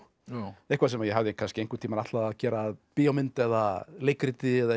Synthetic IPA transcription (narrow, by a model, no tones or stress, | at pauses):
ehkvasɛmajɛɦavðɪkʰanscɪejŋkʏɾ̥t̪ʰiːmanaht̪laðaðcɛːɾaðpiːamɪnt̪ɛðalejkɾɪt̪ɪɛða